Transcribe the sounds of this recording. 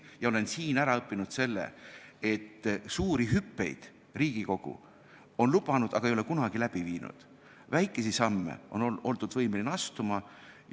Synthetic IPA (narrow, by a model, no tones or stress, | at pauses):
jɑo̞le̞nsiːnæɾɑɤpːinud̪̥se̞lːḛe̞t̪ːsuːɾiɦypːe̞̰jd̪̥ | riːɡ̥iko̞ɡ̥ṵ | o̞nlubɑnud̪̥ɑ̰ɡ̥ɑejo̞lekunɑɡ̥ilæb̥iviːnṵd̪̥ | væjkːˑe̞sisɑmːḛʔo̞̰noo̞lt̪ud̪vɤjmelinɑst̪umɑ